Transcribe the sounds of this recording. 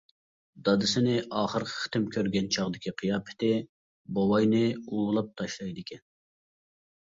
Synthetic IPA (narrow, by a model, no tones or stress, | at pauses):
d̪ɑd̪ɨsɪnɪʔɑːχəɾqʰə̥χə̥t̪ɪmkʲʰøɾɡʲɛnt͡ʃʰɑʁd̪ɪkʲiqʰɨjɑːpʰɪ̥t̪ɪ | bowɑjnɪulˠɑp̚t̪ʰɑʃlˠɑjd̪ɪkʲɛn